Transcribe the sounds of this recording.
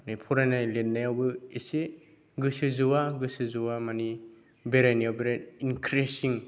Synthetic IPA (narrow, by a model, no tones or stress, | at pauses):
nipʰuɾajnajlenːajawbɯise | ɡɯsɯzuwaɡɯsɯzuwamani | beɾajnawbeɾaninkʰɾesiŋ